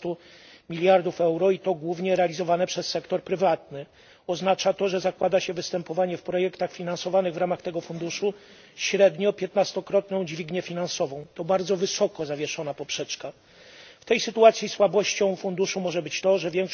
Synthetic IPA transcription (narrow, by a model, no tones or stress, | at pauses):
t̪u | mʲilʲjaɾd̪ufɛwɾɔit̪ɔɡwuvɲɛɾɛalʲizɔvanɛpʂɛsːɛkt̪ɔɾpɾɘvat̪̚nɘ | ɔznat͡ʂat̪ɔʐɛzakwad̪aɕɛvɘst̪ɛmpɔvaɲɛfpɾɔjɛkt̪axfʲinansɔvanɘɣvɾamaxt̪ɛɡɔfund̪uʂu | ɕɾɛd̪ɲɔpʲjɛt̪nast̪ɔkɾɔt̪nɔ̃w̃d͡ʑvʲiɡɲɛfʲinansɔvɔ̃w̃t̪ɔbaɾd̪zɔvɘsɔkɔzavʲjɛʂɔnapɔpʂɛt͡ʂka | ft̪ɛjsɘt̪uat̪sʲjiswabɔɕt͡ɕɔ̃w̃fund̪uʂumɔʐɛbɘt͡ɕt̪ɔʐɛvʲjɛŋkʂ